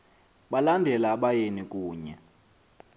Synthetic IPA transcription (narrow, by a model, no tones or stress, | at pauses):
ɓalandʱɛlaɓajenikʼuːɲɛ̰